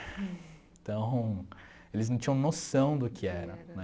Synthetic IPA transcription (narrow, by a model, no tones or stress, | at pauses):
t̪ɐ̃w̃ | elɪznɐ̃t͡ʃĩjɐ̃w̃nosɐ̃w̃d̪ʊkɪɛɾɐnɛ